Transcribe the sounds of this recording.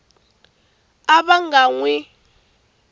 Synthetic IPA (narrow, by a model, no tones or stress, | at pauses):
aβaŋɡaŋwɛ